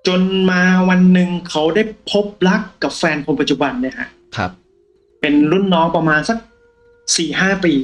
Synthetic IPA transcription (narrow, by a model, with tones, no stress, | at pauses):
t͡ɕo˧nmaː˧wa˧nːɯ˨˩ŋkʰa˦˥wda˥˩jpʰo˦˥p̚la˦˥kːa˨˩p̚fɛː˧npʰo˧np̬a˧t̪̚t͡ɕu˨˩ba˧nːa˥˩kʰa̰˦˥ʔ | kʰa˦ | pe˧nlu˥˩nːɔː˦˥ŋpa˧maː˧nsa˧˦˩k̚ | siː˨˩ɦaː˥˩piː˧